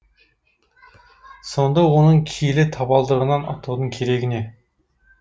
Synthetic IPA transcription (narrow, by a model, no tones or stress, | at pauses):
so̞nd̪ɑwonəɴkʲʰijlɪt̪ʰɑbɑlˠd̪əʁənɑnɑ̰t̪ʰud̪əɴkʲʰe̞ɾe̞ɡʲɪne̞